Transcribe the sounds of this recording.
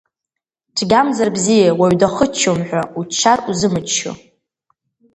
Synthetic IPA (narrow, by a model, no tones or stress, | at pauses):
ʈ͡ʂʰɡʲamzarbzijawaɥdaχət͡ʃʰːomħᶣʷaut͡ʃʰːaruzɨmɨt͡ʃʃo̰